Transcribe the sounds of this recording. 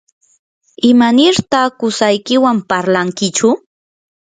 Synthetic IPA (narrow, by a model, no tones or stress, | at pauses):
ɪmanɪɾt̪akʊsajkɪwampaɾlaŋkɪt͡ʃʊ